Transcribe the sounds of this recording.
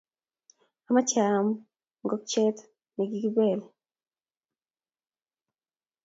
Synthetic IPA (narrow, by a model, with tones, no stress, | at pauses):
a˨ma˦t͡ʃa˨m | ŋɡɔ˦k̚t͡ʃɛ˦t | ni˨ɡi˦ɡi˦bɛ˨l